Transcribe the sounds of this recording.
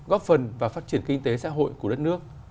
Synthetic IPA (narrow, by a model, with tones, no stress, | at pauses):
ɣɔ˦˥p̚fə˨˩nvaː˨˩faː˦˥t̚t͡ɕi˧˩ənkï˧ŋ̟t̪e˨˦sa̰ː˧˥ɦo̰˧˨jku˧˩ɗə˦˥t̚nɨ˦˥ək̚